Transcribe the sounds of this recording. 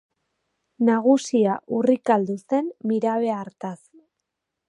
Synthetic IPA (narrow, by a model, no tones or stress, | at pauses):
naɣusiaʔurikald̪use̞mːiɾaβe̞aɾt̪as